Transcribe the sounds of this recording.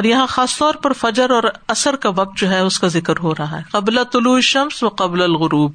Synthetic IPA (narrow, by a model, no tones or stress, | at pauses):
ɔːɾjɐɦãxaːst̪ɔːɾpɐɾfɐd͡ʒəɾɔːɾɐsəɾkaʋɐq̚t̪̚d͡ʒoːɦɛʊskazɪkəɾɦoːɾɐɦa̰ɦɛqɐblat̪ʊluːɦɪʃɐmsʋɐqɐblɐlɣʊɾuːb